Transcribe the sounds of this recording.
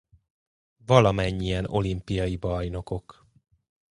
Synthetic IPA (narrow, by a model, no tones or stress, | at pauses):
vɒlɒmɛɲːijɛno̞limpijɒjibɒjno̞ko̞k